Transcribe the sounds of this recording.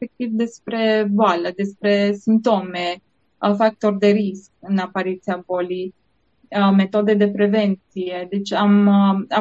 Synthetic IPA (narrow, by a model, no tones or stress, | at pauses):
ek̚t̪ivd̪espɾe̞boaləd̪espɾe̞simt̪o̞me | fak̚t̪o̞rd̪eɾiskɨnapaɾit̪siabolij | met̪od̪ed̪e̞pɾevent̪sied̪et͡ʃama